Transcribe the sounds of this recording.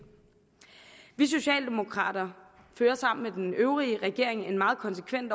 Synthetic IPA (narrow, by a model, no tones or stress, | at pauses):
ʋis̬o̝ɕɛ̰ːld̥e̝mo̝kʰʁɑ̰̈ːd̥ɐ | føːɐsɑ̈m̰n̩med̥enøʊʁiəʁɛɡ̥e̝ɐ̰eŋe̝nmɑ̈ːð̞̩ˠkʰɒ̽nse̥kʰʋen̰d̥ɒ